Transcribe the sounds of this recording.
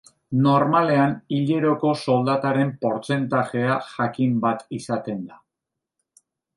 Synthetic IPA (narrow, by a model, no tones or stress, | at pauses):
no̞ɾmale̞aniʎe̞ɾo̞ko̞so̞ld̪at̪aɾe̞mpo̞ɾt͡se̞nt̪aʝe̞aʝakimbat̪isat̪e̞nd̪a